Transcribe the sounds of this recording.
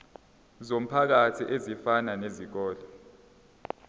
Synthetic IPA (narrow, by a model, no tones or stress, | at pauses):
zom̩pʰak̬atʰḭʔezifananezik̬ɔːlɔ